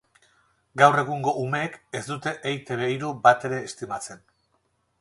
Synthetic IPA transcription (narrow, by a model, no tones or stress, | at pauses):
ɡawre̞ɣuŋɡo̞ʔume̞ːkezd̪ut̪e̞ʔejt̪e̞βeiɾubat̪e̞ɾe̞ːst̪imat͡se̞n